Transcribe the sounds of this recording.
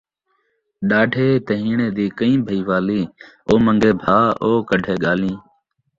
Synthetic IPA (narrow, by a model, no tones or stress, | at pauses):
ɗaːɖʱeːt̪ɦiːɳeːd̪iːkəĩːbʱəiːʋaːliː | oːməŋɡeːbʱaːoːkəɖʱeːɠaːlĩː